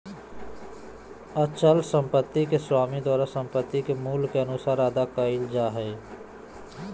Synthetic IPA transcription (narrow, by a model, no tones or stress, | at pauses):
ət͡ʃəlsə̃mpət̪ːikeswaːmid̪waːɾasə̃mpət̪ːikemuːlkeənusaɾaːd̪akəɪld͡ʒaɦɛː